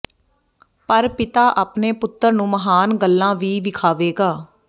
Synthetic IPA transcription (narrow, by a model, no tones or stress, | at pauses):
pəɾpɪt̪aːʔaːpneːpʊt̪ːəɾnũːməɦaːnɡəlːãːʋiːʋɪkʰaːʋeːɡaː